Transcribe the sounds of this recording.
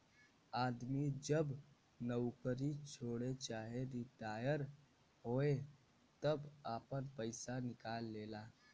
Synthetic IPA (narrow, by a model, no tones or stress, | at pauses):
aːd̪mid͡ʒəb | nəwkəɾit͡ʃʰoːɽet͡ʃaːɦeɾid̪aːjəɾ | ɦoːe | t̪əbaːpənpəɪsanɪkaːlːeːlaː